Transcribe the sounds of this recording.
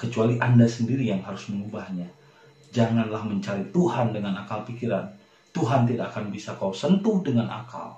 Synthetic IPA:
kət͡ʃualiʔandasəndiɾijaŋɦaɾʊsməŋubahɲa | d͡ʒaŋanlahməɲt͡ʃaɾit̪uɦandəŋanakalpikiɾan | t̪uɦant̪idakːakanbisakawsənt̪udəŋana̰ka̰l

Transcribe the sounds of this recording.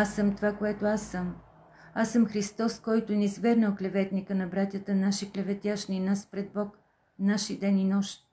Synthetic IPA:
asəmt̪ovakoɛt̪oasəm | asɤmxɾist̪ɔskɔjt̪ʊnizvɛɾnəlˠklɛvɛt̪nikənɐbɾat̪ʲjət̪ənaʃiklʲɛvɛt̪ʲjaʃninaspɾɛd̪̚bɔk | naʃid̪ɛninɔʃt̪

